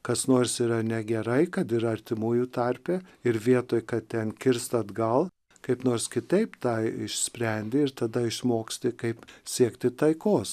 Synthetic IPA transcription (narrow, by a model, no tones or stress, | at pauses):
kɐsnoːrsiːɾɐnʲɛɡʲɛɾɐɪkɐt̪ɪɾɐrʲt̪ʲɪmuːjut̪ɐrʲpʲɛɪɾʋʲiɛt̪oːjkɐtt̪ʲɛnkʲɪrst̪ɐd̪ɡɐlˠ | kɐɪpnoːrskʲɪt̪ɐɪpt̪ɑːɪʃʲsʲpʲɾʲɛnʲd̪ʲɪɪrt̪ɐd̪ɐɪʃmoːksʲt̪ʲɪkɐɪpsʲiɛkt̪ʲɪt̪ɐɪkoːs